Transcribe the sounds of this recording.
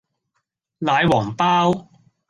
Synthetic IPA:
laː˨˧jwɔː˨˩ŋpaː˥w

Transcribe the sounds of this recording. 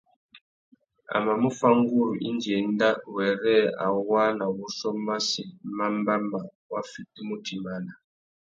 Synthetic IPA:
a̰˨ma˨mu˦fa˦ŋɡu˦ɾu˨ʔi˦nd͡ʒɛ˨nda˦wɛ˨rɛ˦a̰˨wa˦na˨wu˦ʃɔ˦ma˦si˨ma˦mba˦ma˨ | wa˦fi˦ti˦mu˦tʰi˨ma˨˦na˨

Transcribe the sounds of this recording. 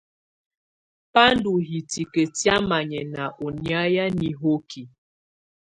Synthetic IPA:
pa˦n˦du˨ɦi˨ti˨ke˨tja˦ma˨ɲɛ˨na˨ʔo˨nja˦ja˦ni˨ɦo˦kʰi˨

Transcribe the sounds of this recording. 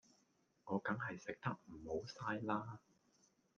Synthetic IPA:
ŋɔː˨˧kɐ˨˥ŋɦɐ˨jsɪ˨k̚t̪ɐ˥k̚m̩˨˩ho˨˥wsaː˥jlaː˥

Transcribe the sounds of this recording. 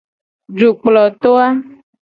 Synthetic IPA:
ɖu˨k͡plɔ˨t̪o˦a˦

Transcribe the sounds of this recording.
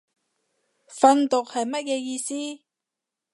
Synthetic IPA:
fɐ˧nt̪ʊ˨k̚hɐ˨jmɐ˥t̚jɛː˧jiː˧siː˥

